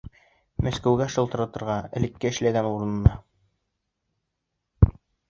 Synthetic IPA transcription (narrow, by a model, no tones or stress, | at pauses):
mæskæwɡæʃɤlˠt̪ɤ̆ɾɑt̪ɤ̆ɾʁɑɘ̆lɘ̆kːæɘ̆ʃlæɡænuɾɤ̆nɤ̆nɑ